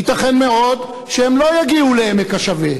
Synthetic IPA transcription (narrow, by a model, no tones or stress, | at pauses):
it̪aχenmeo̞d̪ | ʃeemlo̞jaɡiulehemekaʃave